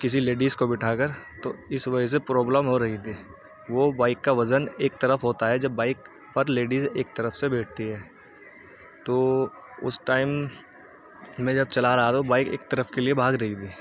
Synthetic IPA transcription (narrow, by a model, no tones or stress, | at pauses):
kɪs̬ileːɖiːzkobɪʈʰaːkəɾt̪oɪsʋɐd͡ʒəs̬epɾoːbləmɦoɾɐɦit̪ʰiː | ʋobaːɪkːaʋɐzəneːk̚t̪ɐɾəfɦoːt̪aɦɛd͡ʒɐbːaːɪk | pɐɾleːɖizeːk̚t̪ɐɾəfsebɛːʈ̚ʰt̪iɦɛː | t̪oː | ʊ̰sʈaːɪm | ẽd͡ʒɐb̚t͡ʃɐlaɾɐɦat̪obaːɪkḛːk̚t̪ɐɾəfkeliebʱaːɡɾɐɦit̪ʰiː